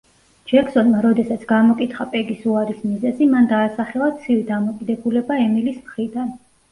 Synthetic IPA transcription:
d͡ʒɛksɔnmaɾɔd̪ɛsat̪sʰɡamɔkʼit̪ʰχapʼɛɡisuaɾismizɛzimand̪aːsaχɛlˠat̪sʰivid̪amɔkʼid̪ɛbulɛbaɛmilismχɾid̪an

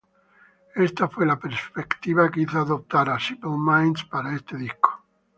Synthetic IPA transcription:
est̪afwelapeɾspekt̪iβakeiθoaðop̚t̪aɾasipelmajnspaɾaest̪eðisko̥

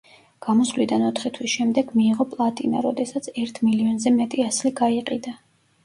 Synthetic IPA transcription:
ɡ̥amɔsvlid̪anɔt̪ʰχit̪ʰwisʃɛmd̪ɛɡmiːʁɔpʼlˠat̪ʼina̰ɾɔd̪ɛsat̪sʰɛɾt̪ʰmiliɔnzɛmɛt̪ʼiasliɡaiqʼid̪a

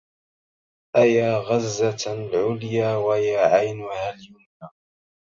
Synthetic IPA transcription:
ʔajaːɣazːalʕʊljaːwajaːʕajnhaːljʊnaː

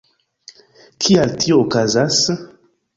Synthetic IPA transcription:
kʰialtʰiookazas

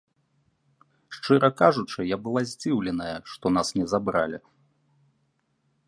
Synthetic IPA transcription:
ʂt͡ʂɨɾʔɐkaʐut͡ʂɨjabɨlˠazʲd͡zʲiwlʲɛnɐjɐʂt̪ɔnasnʲɛzabɾalʲi

